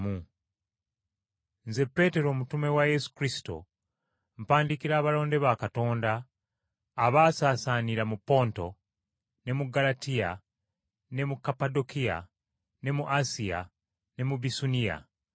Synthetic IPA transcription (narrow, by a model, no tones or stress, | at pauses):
mu | nze̞pːe̞te̞ɾo̞ːmutume̞waje̞su̥kɾisi̥to̞̰ | m̩paːndikiɾaːβalo̞ːnde̞βakato̞ːndaː | βaːsaːsaːniɾamupːo̞ːnto̞ | ne̞muɡalatija̰ | ne̞mukapado̞kija̰ | ne̞muʔasija̰ | ne̞mubisunija̰